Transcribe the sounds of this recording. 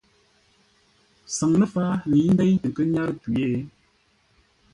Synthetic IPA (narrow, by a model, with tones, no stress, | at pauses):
sa˨ŋnə˦fa˦li˨˦n̩˦dɛ˦jkə˦ɲa˦ɾki˨e˦˨˦